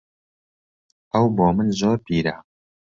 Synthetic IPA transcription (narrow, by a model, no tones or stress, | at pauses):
ɐwboːmɨnzoːɾpiːɾa